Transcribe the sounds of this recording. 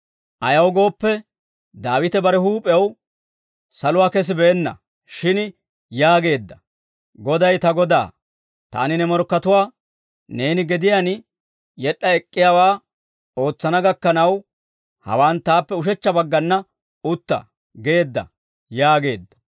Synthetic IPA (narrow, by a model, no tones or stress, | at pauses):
ʔɐjɐwɡo̞ːpːɛ | d̪aːwɪt̪ɛbɐɾɛɦuːpʼɛw | sɐlʊwaːkɛs̬ɪbɛːnːɐ̰ | ʃɪn | jaːɡe̞ːd̪ːɐ̥ | ɡɔd̪ɐjt̪ɐɡɔd̪a̰ː | t̪a̰ːnɪnɛmɔɾkːɐt̪ʊwaː | ne̞ːnɪɡɛd̪ɪjaːn | jɛɗːɐɛkʼːɪjaːwaː | o̞ːt͡sːɐnɐɡɐkːɐnɐw | hɐ̰waːnt̪aːpːɛʊʃ̬ɛt͡ʃːɐbɐɡːɐnːɐ | ʊt̪ːɐ̰ | ɡe̞ːd̪ːɐ̰ | jaːɡe̞ːd̪ːɐ̥